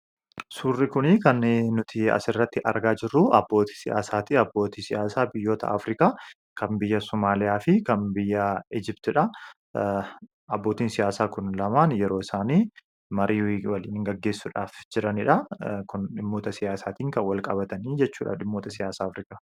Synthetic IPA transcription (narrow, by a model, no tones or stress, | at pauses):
suːrːɪkʊnɪkɐnːnʊt̪ʰɪɐ̰sɪrːɐt̪ːɪʔɐ̰ɾɡaːd͡ʒɪrːʊʔɐbːo̞ːt̪i̥sɪja̰ːsaːt̪iɐbːo̞ːt̪iːsɪjaːsaːbɪjːo̞ːt̪ɐ̰ʔɐ̰fɾɪkaː | kɐmbɪjːɐsʊmaːlɪjaːfɪkɐnbɪjːɐɪd͡ʒɪpt̪ɪᶑɐ | ɐbːoːt̪iːnsɪjaːsaːkʊnlɐmaːnjɛɾo̞ːɪsaːniː | mɐɾiːwɐliːnɪŋɡɐɡːe̞ːsːʊᶑa̰ːfd͡ʒɪɾɐnɪᶑɐkʊnᶑɪmːo̞ːt̪ɐsɪjaːsaːt̪iːŋkɐnwɐlkʼɐbɐt̪ɐniːd͡ʒɛt͡ʃːuːᶑɐ̰ᶑɪmːo̞ːt̪ɐsɪjaːsaːfɾɪkaː